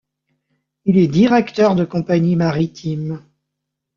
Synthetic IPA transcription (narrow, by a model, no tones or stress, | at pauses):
ilɛd̪iʁɛkt̪œʁd̪əkɔ̃paɲimaʁit̪ʰim